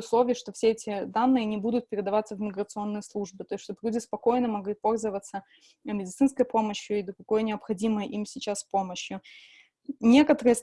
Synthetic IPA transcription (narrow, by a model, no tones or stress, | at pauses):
ʊslˠo̞vʲɪjəʂt̪o̞fsʲeɛtʲɪd̪anːɨjənʲɪbud̪ʊt̪̚pʲɪɾʲɪd̪ɐvat̪səvmʲɪɡɾət̪sɨo̞nːɨjəslˠuʐbɨt̪o̞jsʲʂt̪oblʲudʲɪspɐko̞jnəmɐɡlʲit̪̚po̞lʲzəvət̪sə | mʲɪdʲɪt̪sɨnskəjpo̞məɕjʊid̪ɾʊɡo̞jnʲɪɐpxɐdʲiməjəʔimsʲɪt͡ɕaspo̞məɕjʊ | nʲe̞kət̪əɾɨjə